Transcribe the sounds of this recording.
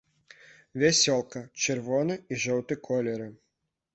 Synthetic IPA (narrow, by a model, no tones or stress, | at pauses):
vʲɛsʲɔlˠkɐt͡ʃɨrvɔnɨiʐɔwt̪ɨkʰɔlʲɛɾɨ